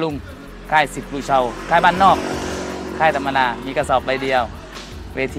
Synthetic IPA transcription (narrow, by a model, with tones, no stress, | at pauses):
lu˧˩ŋ | kʰaː˧˥˩jsi˨˩p̚lu˧˩t͡ɕʰa˧wkʰaː˧˥˩jbaː˥˩˨nːɔː˧˩k̚kʰaː˧˩jt̪ʰa˧mːa˧naː˧miː˧ka˧sɔː˨˩p̚da˧jdi˧əw | weː˧t̪ʰː